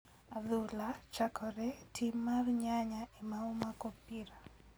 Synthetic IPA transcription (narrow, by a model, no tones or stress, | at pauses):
aðʊlat͡ʃakʰɔɾɛtʰimːarɲaɲaʔimaɔmakopiɾa